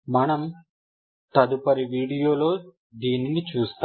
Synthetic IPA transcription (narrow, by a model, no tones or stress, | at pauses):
mɐnɐm | t̪ɐd̪upɐɾiʋiːɽijoːlo̞ː | d̪iːninit͡ʃuːst̪a